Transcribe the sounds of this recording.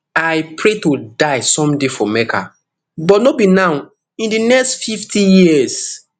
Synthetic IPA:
aɪpʰɹetodaɪsɔ̃mdefɔmɛkʰa̰ | bɔtnobinaw | ĩndinɛkstfiftʰijis

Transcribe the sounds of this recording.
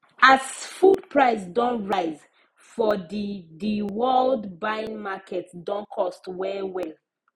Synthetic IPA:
azfud̚pʰɹaɪsdɔ̃nɹaɪz | fɔddiwɜldbaĩnmakʰɛtdɔ̃nkʰɔstwɛwɛl

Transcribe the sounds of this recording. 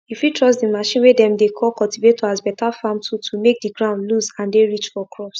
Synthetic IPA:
ifjutʰɹɔs̬dimaʃĩnwedɛ̃mdekʰɔkɔltivet̚tʰoazbɛtafamtʰutʰumek̚diɡɹãʊ̃ndluzãndeɹit͡ʃfɔkʰɹɔps

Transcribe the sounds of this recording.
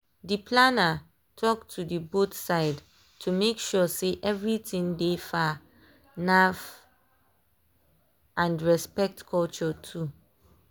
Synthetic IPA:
dipʰlana | tʰɔk̚tʰudibotsaɪd | tʰumekʃɔseʔɛvɹitĩŋdefa | naf | ʔãnɹɛspɛk̚tkʰɔlt͡ʃɔtʰu

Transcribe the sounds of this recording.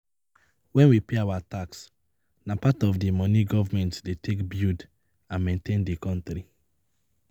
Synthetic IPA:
wɛ̃nwipeawataks | napatɔvdimɔniɡɔvamɛ̃ntdetʰekbjud | ãnmẽntʰẽndikɔ̃ntɾi

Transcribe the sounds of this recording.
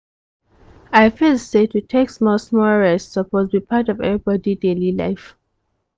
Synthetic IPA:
aɪfisetutʰeksmɔsmɔlɹɛstsəpʰozbipʰatɔvɛ̰vɹibɔdidelila̰ɪf

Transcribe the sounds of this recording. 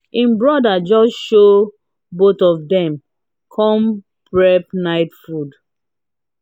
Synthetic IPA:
ĩmbɹɔdad͡ʒɔsʃo | botɔvdɛ̃m | kʰɔ̃m | pɹɛpnaɪtfud

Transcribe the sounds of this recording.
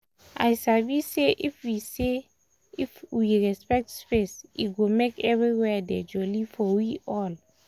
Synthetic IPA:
a̰jsaviseʔifwise | ifwiɹɛspɛk̚tspesḭtɡomekɛvɹiwɛdɛd͡ʒɔlifɔwiʔɔl

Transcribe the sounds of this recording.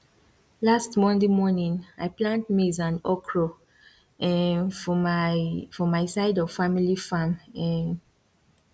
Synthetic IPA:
lastmɔ̃ndemɔnĩŋa̰jplãnt̚mizãnɔkʰɹɔ | ɛ | fɔmaɪsaɪdɔv̥familifãmɛ̃n

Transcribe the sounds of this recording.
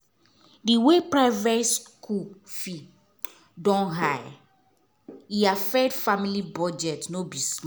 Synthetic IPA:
diwepɹaɪvɛskʰufi | dɔ̃nɦaj | iafɛdfamilibɔd͡ʒɛtnobis

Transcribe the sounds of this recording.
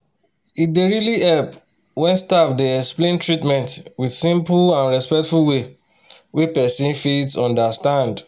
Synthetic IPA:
it̚deɹiliɛlp | wɛ̃nstafdeɛksplẽntɹitmɛ̃ntwidsĩmplãnɹɛspɛk̚tfulwe | wepɛsĩnfidsɔ̃ndastãnd

